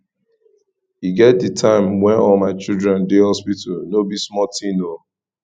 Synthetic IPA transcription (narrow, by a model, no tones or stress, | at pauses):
hiɡɛt̚ditʰãɪ̃mwɛ̃nɔmaɪt͡ʃidɹɛ̃ndehɔspitalnobismɔtʰĩno